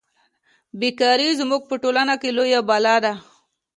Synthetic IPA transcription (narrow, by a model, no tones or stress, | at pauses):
bikɑɾizmuɡ̚pəʈolanakelojabalɑd̪a